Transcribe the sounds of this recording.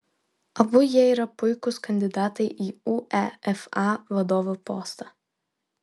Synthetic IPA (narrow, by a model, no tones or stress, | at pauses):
ɐbʊjiɛiɾɐpʊɪkʊskɐnʲd̪ʲɪd̪ɑːt̪ɐɪʔiːuɛɛfɑʋɐd̪oːʋupoːst̪ɐ